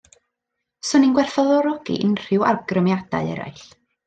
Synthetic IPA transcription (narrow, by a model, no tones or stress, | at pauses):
sɔninɡwɛrfɔðɔɾɔɡ̥ḭʔɪnr̥ɪwarɡrəmjad̥a̰ɨɛ̰ɾa̰ɨɬ